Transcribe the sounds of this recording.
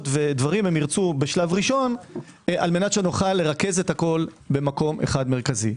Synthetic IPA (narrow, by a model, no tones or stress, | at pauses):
tved̪vaʁimhemiʁt͡subeʃlavʁiʃo̞n | ʔa̰lmenat̪ʃenoχalːe̞ʁake̞ze̞t̪hako̞l | be̞mako̞mʔḛχadmeʁkazi